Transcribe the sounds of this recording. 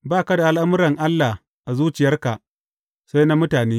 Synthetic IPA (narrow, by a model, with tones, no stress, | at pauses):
baː˦˨ka˦da˨ʔa˦lʔa˦mʊ˦ɾɐ˨ŋʔa˦lːa˨ | ʔa˨zuː˦t͡ʃɪ˨jɐ˦rka˨ʔ | sa˦jna˦mʊ˦taː˨neː˦